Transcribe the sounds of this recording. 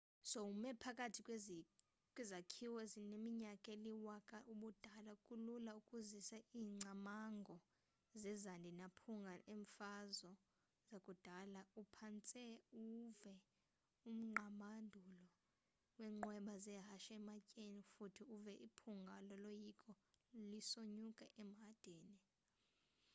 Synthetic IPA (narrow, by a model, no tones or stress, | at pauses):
soumɛpʰakʼatʰikʼw | kʼwɛzakʰiwɛzinemiɲakʼeliwakʼaʔuɓud̥ʱalaukʼululaukʼuzisaiːŋ͡ǀʱamaŋɡʱɔ | zɛzandʱinapʰuŋɡʱaʔeɱfazɔ | zakʼud̥ʱalaupʰant͡sʼɛuvɛ | um̩ŋ͡ǃʱamandʱulɔ | wɛːŋ͡ǃwɛɓazɛɦaʃaɛmacʼenifutʰiuvɛʔipʰuŋɡʱalɔlojikʼɔ | lisoɲukʼaʔɛm̩ɦad̥ʱeːni